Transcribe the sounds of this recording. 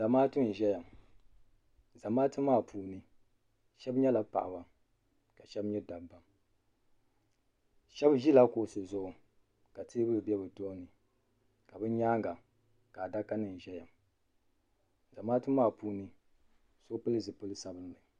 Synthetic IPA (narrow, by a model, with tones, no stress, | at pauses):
za˨maː˦tɨ˦n̩˨ʒɛ˦ja˨m | za˨maː˦tɨ˦mːaː˦˨pʰuː˨nɨ˦ | ʃɛ˦bɲɛ˦la˨pa̰˨ʔa˨ba˨ | ka˨ʃɛ˦bɲɛ˦da˨bbːa˦m | ʃɛ˦bʒi˦la˦ko˨sɨ˨zʊ˦ʔʊ˨ | ka˨teː˦bɨ˦bɨ˨bɛ˦bɨ˨toː˦nɨ˨ | ka˨bɨ˦ɲaː˦ŋɡa˨ | ka˨da˦ka˦nɨ˨n˨ʒɛ˦ja˨m | za˨maː˦tɨ˦mː˦aː˦˨puː˦nɨ˦ | so˦pɨ˦lɨ˦zɨ˨pɨ˦lɨ˦sa˦bɨ˦mɨ˨